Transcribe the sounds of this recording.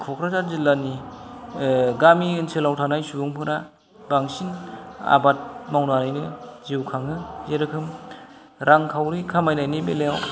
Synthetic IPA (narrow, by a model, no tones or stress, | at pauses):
kʰɔkʰɾazaɾzilːani | ɡamiɯnsʰelawtʰanajsubuŋpʰɯɾa | baŋsina̰bat̚mawnaɾajnɯziwkʰaŋɯzeɾɯkʰɯm | ɾʔaŋkʰawɾikʰamajnajnibeleaw